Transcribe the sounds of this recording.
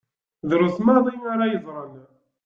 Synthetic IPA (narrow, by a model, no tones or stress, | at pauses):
ðɾuθmɑðˤinaɾajəðˤɾˤən